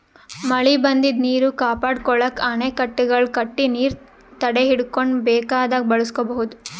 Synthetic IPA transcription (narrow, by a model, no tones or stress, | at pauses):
mɐɭibɐnd̪id̪niːɾukaːpaːɽkɔɭɐkɐnekɐʈːiɡɐɭkɐʈːiniːɾ | t̪ɐɽeɦiɽkoɳbɛːkaːd̪ɐɡ̚bɐɭuskobɐɦud̪u